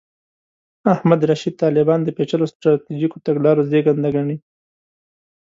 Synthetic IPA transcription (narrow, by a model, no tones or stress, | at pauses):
ahmad̪ɾaʃid̪̚t̪ɑlɪbɑnd̪əpet͡ʃalost̪ɾɑt̪id͡ʒikot̪aɡlɑɾozeɡand̪aɡaɳi